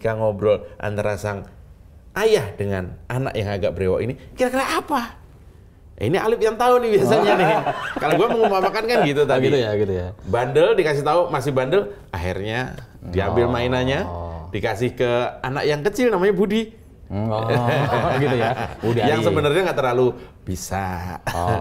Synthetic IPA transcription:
ikaŋɔbɾɔlʔa̰nt̪aɾasaŋ | ʔajahdəŋanana̰ʔjaŋaɡaʔ̚bəɾewa̰ʔḭnikiɾakəɾaʔːpa | ḭnia̰lɪp̚jaŋt̪aʊnɪhbias̬aɲanɪɦkalaɡuaməŋumpamakankanɡit̪ut̪aitɡibandəldikasɪht̪aumasɪhbandəlʔaɦḭrɲadia̰mbɪlmainaɲadikasɪhkəana̰kjaŋkət͡ʃɪlnamaɲabudi | ɡt̪ujaŋsəbənərɲaŋɡaʔt̪ərlalub̥isa̰

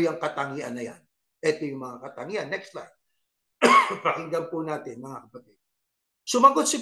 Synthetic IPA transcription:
jɐŋkɐt̪ɐŋiʔɐnːɐja̰n | ʔɛt̪ojʊŋmɐŋakɐt̪ɐŋiʔɐnːɛkst̪lajd̪ | pɾɐkɪŋɡɐmpʊnaːt̪ɪnmɐŋakɐpɐt̪ɪd̪̥̚ | sʊmɐɡod̪̚sɪɡ

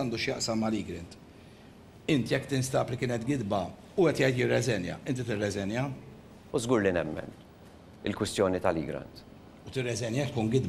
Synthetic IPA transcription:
ɐnd̪uːʃjɐʔsɐmːɐliːɡɾɪnt̪ | ɪnt̪jɛkːt̪ɪnst̪ɐːplikɪːnɛt̪ɡɪd̪bɐ | ʊɛt̪jɛjt̪jɪrːɛzɛnjɐ̰ʔɪnt̪it̪ɪrːɛzɛnjɐ | uzɡuːɾlinɛmːɛ̰n | ɪ̰lkwɪst̪jɔːnit̪ɐliɡɾɐ̰nt̪ | ut̪ɪrːɛzɛnjɐt̪kuːnɡɪd̪b

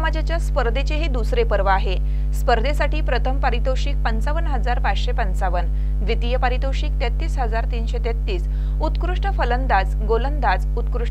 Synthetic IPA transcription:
mad͡ʑat͡ɕjaspəɾd̪ʱet͡ɕeɦed̪usɾepəɾʋaaɦe | spəɾd̪ʱesaʈiːpɾət̪ʰəmpaɾit̪oɕiːk̚pənt͡saʋənɦəd͡zaɾpad͡zɕepənt͡saʋən | ʋʋit̪ijəpəɾit̪oɕiːk̚t̪et̪ːiːsɦəd͡zaɾt̪inɕet̪et̪ːiːs | ut̪kɾuʂʈəfələnd̪ad͡zɡolənd̪ad͡zut̪kɾuʂə

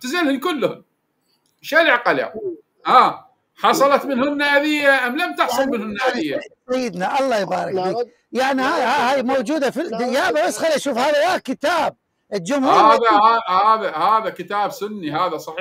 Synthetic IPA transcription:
t̪ɪzalhɪnkʊlːhʊm | ʃalʕqɑla̰ | haː | ħɑsˤɑlɑt̪mɪnhʊnːaːʔðɪjːaʔamːlamt̪ɑħsˤʊlmɪnhʊnːaʔðɪjːasajːɪd̪naʔɑlˤːɑːjbaːɾˤɑkbiːk | jaʕnihaːjhaːhaːjmowd͡ʒuːd̪afid̪ɪjaːʔbabasxaliʔaʃuːfhaːðawaːkɪt̪aːb̚ | ʔəd͡ʒʊmhuhːhaːðahaːhaːðahaːðakɪt̪aːbsʊnːihaːðasˤɑħiː

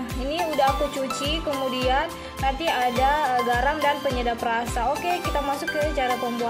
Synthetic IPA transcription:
iniudaɦkut͡ʃut͡ʃikəmudian | nərt̪iadaɡaɾamdanpəɲədaprasaokekit̪amasʊkjasət͡ʃaɾat̪əmbua

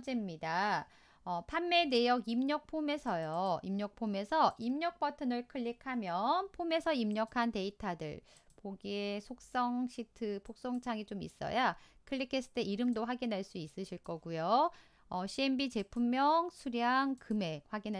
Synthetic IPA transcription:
d͡ʑemɲida | ʌpʰanːe̞ne̞jʌɡimɲʌk̚pʰome̞sʰʌjoimɲʌk̚pʰome̞sʰʌʔimɲʌk̚p͈ʌtʰɯnɯɭkʰɯʎːikʰamjʌnpʰome̞sʰʌimɲʌkʰante̞itʰadɯ̰ɭ | poɡiesʰok̚s͈ʌŋɕʰitʰɯpʰok̚s͈ʌŋt͡ɕʰaŋit͡ɕomḭs͈ʌ̰jakʰɯɭːikʰes͈ʰɯ̥tʰeiɾɯmdoɸwaɡinɦaɭs͈uis͈ɯɕʰiɭk͈ʌɡujo | ʌɕʰienbit͡ɕe̞pʰumːjʌŋsʰuɾjaŋkɯme̞ɸwaɡinɦ

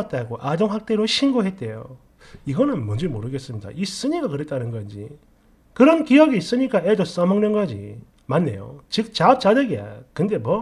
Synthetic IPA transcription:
t̚t͈aɡoʔad͡ʑoŋɦak̚t͈e̞ɾoɕʰinɡoɦe̞t̚t͈e̞jo | iɡʌnɯnmwʌnd͡ʑimoɾɯɡes͈ɯmɲida̰ʔis͈ɯɲiɡakɯɾe̞t̚t͈anɯnɡʌnd͡ʑḭ | kɯɾʌnkijʌɡiːs͈ɯɲik͈aedos͈ʌmʌŋɲʌnɡad͡ʑḭ | manːe̞̰jo̰t͡ɕɯk̚t͡ɕap̚t͡ɕ͈adɯɡia̰kɯnde̞mwʌ

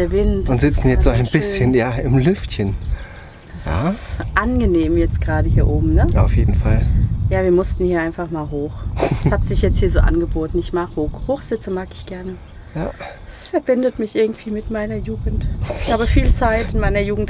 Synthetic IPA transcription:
deːɐvɪntʊntz̥ɪt͡sn̩jɛt͡stz̥oːaɪnbɪsçənjaːɪmlʏftçən | d̥asa̰ːʔanɡəneːmjɛt͡stɡ̥ʁaːɾəhiːɐʔoːbm̩nəa̰ʊfjeːdn̩faljaːviːɐmʊstn̩hiːɐʔaɪnfaχmaːlɦoːxhatz̥ɪçjɛt͡sthiːɐzoːʔa̰nɡəboːtn̩ɪçmaːkhoːhoːxz̥ɪt͡səmaːkɪ̥çɡ̥ɛɐnə | jaː | ɛsfɛɐbɪndətmɪçʔɪɐɡŋ̩tv̥iːmɪtmaɪnɐjuːɡŋ̩tɪçhaːbəfiːlt͡saɪtɪnmaɪnɐjuːɡŋ̩t

